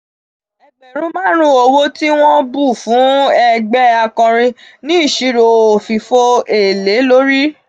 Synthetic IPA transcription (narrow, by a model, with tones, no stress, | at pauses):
ɛ˨ɡ͡bɛ˨ɾ̃ũ˦mãː˦ɾ̃ũ˦o˧wo˦ti˦w̃ɔ̃˦bu˦˨fũ˨˦ɛ˧ɡ͡bɛ˦a˧kɔ̃˧ɾ̃ĩ˧nĩ˦i˦˨ʃi˧ɾo˨o˨fi˨fo˧e˨le˨˦lo˦ɾi˦